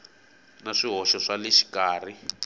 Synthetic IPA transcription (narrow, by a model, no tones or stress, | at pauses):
naʂiɦɔʃɔʂalɛʃi̥kaːr̤i